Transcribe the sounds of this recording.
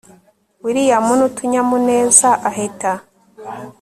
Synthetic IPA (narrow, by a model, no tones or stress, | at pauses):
wiɾijamunutʰuɲamune̞ːzaʔaɦeta